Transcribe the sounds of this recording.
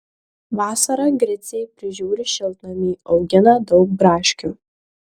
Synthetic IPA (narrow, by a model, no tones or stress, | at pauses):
ʋɑːsɐɾɐɡɾʲɛt̪sʲɛɪpʲɾʲɪʒʲuːɾʲɪʃʲɪlˠt̪nɐmʲiːɒʊɡʲɪnɐd̪ɒʊk̚bɾɑːʃʲkʲuː